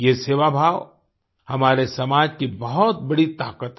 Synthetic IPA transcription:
jeseːʋabʱaːʋ | hɐmaːɾesɐmaːd͡ʒkibɐɦɔt̪̚bɐɽit̪aːkət̪

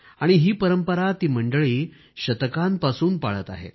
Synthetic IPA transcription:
aɽ̃iɦiːpəɾəmpəɾat̪iːməɳɖəɭiː | ɕət̪kãmpasuːnpaɭət̪a̰ɦḛ

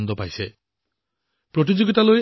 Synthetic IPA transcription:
nd̪ɔpajse | pɾot̪̬id͡ʒoɡit̪aloj

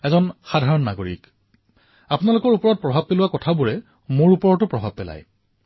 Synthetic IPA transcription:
ɛzɔnxadʱaɹɔnːaɡoɹḭk | apʊnalʊkɔɹupɔɹɔt̚pɹɔbʱab̚pelʊwakɔtʰabuɹɛ | moɹupɔɹɔtʊpɹɔbʱab̚pɛla̰j

